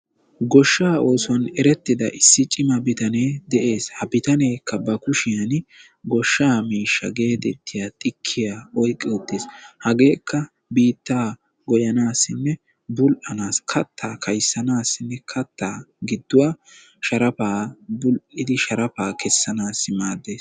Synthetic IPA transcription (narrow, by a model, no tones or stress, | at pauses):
ɡɔʃːaːo̞ːsɐnɛɾɛt̪ːɪd̪ɐʔɪsːɪt͡ʃʼɪmɐbɪt̪ɐne̞ːd̪ɛʔe̞ːshɐbɪt̪ɐneːkːɐbɐkʊʃɪjɐn | ɡɔʃːaːmiːʃːɐ̰ɡe̞ːd̪ɛt̪ːɪjat̪ʼɪkʰːɪjaɔjkʼːɛʊt̪ːeːshɐɡe̞ːkːɐ | biːt̪ːaː | ɡɔjɐnaːsːɪnːɛ | bʊlʔɐnaːskʰɐt̪ʰːaːkʰɐjsːɐnaːsːɪnːɛkʰɐt̪ʰːaːɡɪd̪ːʊwaː | ʃɐɾɐpaːbʊlʔɪd̪ɪʃɐɾɐpaːkɛsːɐnaːsːɪmaːd̪ːe̞ːs